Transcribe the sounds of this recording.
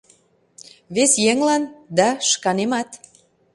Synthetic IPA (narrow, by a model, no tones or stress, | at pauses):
βesjeŋlɑnd̪ɑʃkɑnemɑt̪